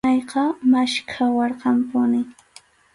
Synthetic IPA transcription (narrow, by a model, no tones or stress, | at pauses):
ɑjqɑmaʃkʰawɑɾqɑmpʊnɪ